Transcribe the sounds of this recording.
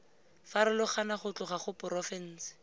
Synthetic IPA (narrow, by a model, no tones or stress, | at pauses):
faɾɪlʊχanaχʊt͡ɬʊχaχʊpʊrɔfɛn̩ːsɪ̥